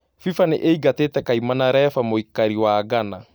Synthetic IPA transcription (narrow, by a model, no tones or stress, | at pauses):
fifaneʔeiɡatetɛkaimanaɾɛːfamoikːaɾiwaːɡana